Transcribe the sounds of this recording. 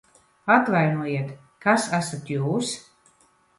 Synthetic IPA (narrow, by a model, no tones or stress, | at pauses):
at̪vajnuɔjiɛt̪ | kasæsat̪juːs